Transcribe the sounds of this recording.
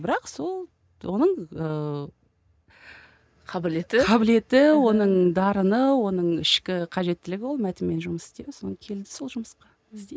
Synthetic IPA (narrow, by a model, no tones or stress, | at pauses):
bɪɾɑqso̞lˠ | wo̞nəɴə | qʰɑbɪlet̪ɪɑbɪle̞t̪ɪwo̞nəɴd̪ɑɾənəwo̞nəɴɪʃkʲɪqʰɑʒe̞t̪ːɪlɪɡʲɪwo̞lˠmæt̪ɪmːe̞nʒʊməsɪ̥st̪e̞d̪ɪsonəɴkʲʰe̞ld̪ɪ̥so̞lˠʒʊməsqɑ | ɪst̪e